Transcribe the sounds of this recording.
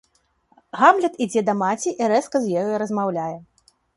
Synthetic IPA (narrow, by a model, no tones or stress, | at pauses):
ɣamlʲɐt̪id͡zʲɛd̪ɐmat͡sʲiʔiɾɛskɐzʲjajɔɾɐzmawlʲajɛ